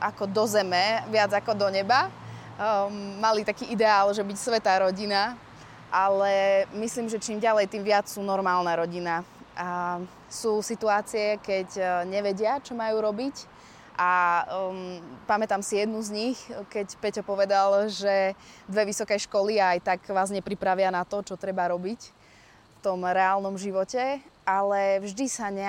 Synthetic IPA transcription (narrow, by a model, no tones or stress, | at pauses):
ʔakɔd̪ɔzɛmɛʋɪad͡zakɔd̪ɔɲɛba | malit̪akiːʔid̪ɛaːlʒɛbicsʋɛt̪aːɾɔɟina | ʔalɛmisliːmʒɛt͡ʃimɟalɛjt̪iːmʋɪat͡ssuːnɔɾmaːlnɛɾɔɟina | a | suːsit̪uaːt͡siɛkɛcɲɛʋɛɟɪat͡ʃɔmajuːɾɔbic | ʔa | pamɛt̪amsijɛd̪nuzɲixkɛcpɛcɔpɔʋɛd̪alʒɛd̪ʋɛʋisɔkɛjʃkɔliaajt̪aɡʋaːzɲɛpɾipɾaʋɪanat̪ɔt͡ʃɔt̪ɾɛbaɾɔbic | ft̪ɔmɾɛaːlnɔmʒiʋɔcɛalɛvʒd̪isaɲɛ